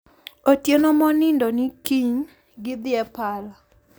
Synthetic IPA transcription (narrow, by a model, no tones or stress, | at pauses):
otjenomɔnɪndonikiɲ | ɡɪd̪ɪɛpala